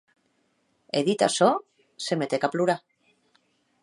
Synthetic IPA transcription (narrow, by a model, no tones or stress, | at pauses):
eðit̪a̰so | semet̪ekapluɾa